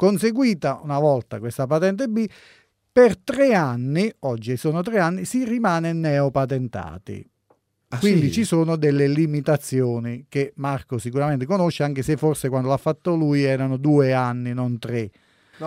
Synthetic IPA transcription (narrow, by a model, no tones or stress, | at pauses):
konseɡwiːt̪aunavɔlt̪a̰kwest̪apat̪ɛnt̪̬ebi | pert̪ɾeanːiɔd͡ʒːiesoːnot̪ɾeanːisirimaːnenɛopat̪ent̪a̰ːt̪ḭ | kwind̪it͡ʃisoːnod̪elːelimit̪at̪sːjoːnik̟emarkosikuɾament̪ekonoʃːeaŋk̟esefːorsekwand̪olafːat̪ːolujɛːɾanod̪uːeanːinont̪ɾe